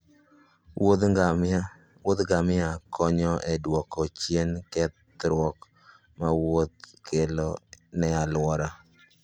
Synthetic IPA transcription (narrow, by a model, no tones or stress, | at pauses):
wod̪ɡamɪakʰɔɲɔʔedwɔkɔt͡ʃjenkɛt̪̚ | ɾwɔk | mawot̪̚kʰelonɛalwɔɾa